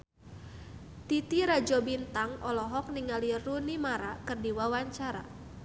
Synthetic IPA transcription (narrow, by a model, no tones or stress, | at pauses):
t̪it̪iɾad͡ʒɔbint̪aŋʔɔlɔɦɔk̚niŋalirunimaɾakɨrdiwawaɲt͡ʃaɾa̰